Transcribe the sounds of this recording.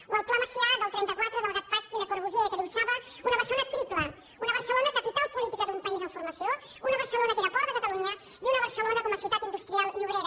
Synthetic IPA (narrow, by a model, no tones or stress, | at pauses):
unəlˠplaməsiad̪əlˠt̪ɾɛnt̪əkwat̪ɾəðəlˠɣapat̪iðəkoɾβuʒieðəkəðiβuʃaβə | unəβərslonət̪ɾit̪lə | unəβərsəlonəkəpit̪alˠpulit̪ikəðumpɐizəɱfuɾmɐsio | unəβərsəlonəkəðəpɔɾðəkat̪əluɲəd̪unəβərsəlonəkɔməsiut̪at̪ind̪ust̪ɾialˠʎuβɾeɾ